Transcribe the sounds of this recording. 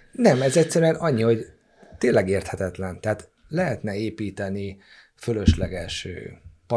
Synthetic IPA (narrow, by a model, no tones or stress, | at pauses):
nɛmɛzɛcsɛɾyɛnɒɲːiho̞ɟ | t̪eːnlːɛɡeːrt̪hɛt̪ɛt̪lɛnt̪ɛɦaːt̪ | lɛɦɛt̪nɛeːpiːt̪ɛni | følø̞ʃlɛ̰ɡɛʃø̰ːpɒ